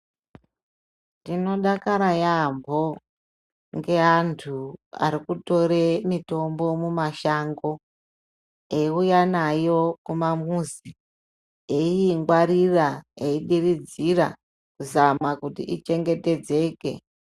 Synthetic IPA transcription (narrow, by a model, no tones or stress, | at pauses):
tino̞ɗakaɾajambʱo̞ | ŋɡe̞antʰua̰ɾikuto̞ɾe̞mito̞mbo̞mumaʃaŋɡo̞ | eiujanajo̞kumamuzi | eiːŋɡwaɾiraeiɗirid͡zira̰ | kuzamakutḭʔit͡ʃe̞ŋɡe̞te̞d͡ze̞ːke̞̰